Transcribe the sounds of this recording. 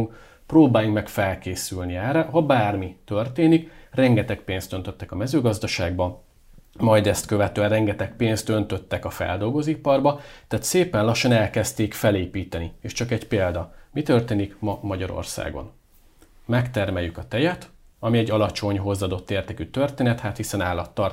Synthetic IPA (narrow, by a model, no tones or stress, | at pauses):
ŋk | proːbaːjukmɛkfɛlkeːsylniɛrːɛɦɒbaːrmit̪ø̞rt̪eːnikrɛŋɡɛt̪ɛk̚peːnst̪ø̞n̪t̪ø̞t̪ːɛkɒmɛzøːɡɒzd̪ɒʃaːɡ̚bɒ | mɒjd̪ɛst̪køvɛt̪øːɛnrɛŋɡɛt̪ɛk̚peːnst̪ø̞nt̪ø̞t̪ːɛkɒfɛ̰ld̪o̞lɡo̞zipɒrbɒt̪ɛːt̪seːpɛnlɒʃːɒnɛlkɛst̪eːkfɛleːpiːt̪ɛnieːʃt͡ʃɒkɛɟpeːld̪ɒmit̪ø̞rt̪eːnikmɒmɒɟɒɾo̰rsa̰ːɡo̞̰n | mɛkt̪ɛrmɛjːykɒt̪ɛjɛt̪ | ɒmiɛɟːɒlɒt͡ʃo̞ɲɦo̞zːɒd̪o̞t̪ːeːrt̪ɛkyt̪ørt̪eːnɛt̪haːt̪hisɛnaːlːɒt̪ːɒr